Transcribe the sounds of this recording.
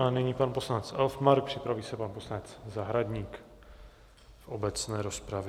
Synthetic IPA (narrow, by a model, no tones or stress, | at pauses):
anɛɲiːpanpo̞slanɛt͡sʔɛlfmaɾk̚pr̝̥ɪpɾaviːsɛpanposlanɛt͡szaɦɾad̪ɲiːk | fʔobɛt͡snɛːɾo̞spɾavj